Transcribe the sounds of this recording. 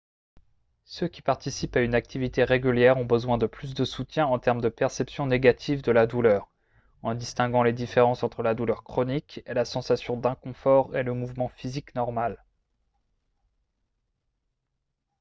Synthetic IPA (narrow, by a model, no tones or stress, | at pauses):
søkʲi̥paʁt̪isipaynak̚t̪ʰivit̪eʁeɡʲyljɛʁɔ̃bəzwɛ̃d̪əplys̬d̪əsut̪jɛ̃ɑ̃t̪ɛʁmd̪əpɛʁsɛpsjɔ̃neɡat̪ʰivd̪əlad̪ulœːʁ | ɑ̃d̪ist̪ɛ̃ɡɑ̃led̪ifeʁɑ̃sɑ̃t̪χəlad̪ulœʁkχɔnikɛlasɑ̃sasjɔ̃d̪ɛ̃kɔ̃fɔʁeləmuvmɑ̃fiziknɔʁmal